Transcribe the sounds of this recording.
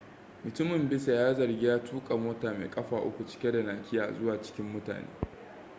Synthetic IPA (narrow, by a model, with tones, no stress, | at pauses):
mʊ˨tʊ˦mɪ˨mbɪ˦sa˨jaː˦zɐ˨rɡʲɪ˦jaː˦tuː˦kʼa˨moː˦taː˨mḛ˨kʼɐ˦ɸaː˨ʔʊ˦kʷu˨t͡ʃɪ̥˦kʲe˦da˨naː˨kʲɪ˦jaː˨zʊ˦waː˨t͡ʃɪ̥˦kʲɪ˦mːʊ˦ta̰ː˨nḛː˦